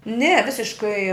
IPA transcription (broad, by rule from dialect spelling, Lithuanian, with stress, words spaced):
nʲɛ ˈʋʲɪsʲɪʃkɐɪ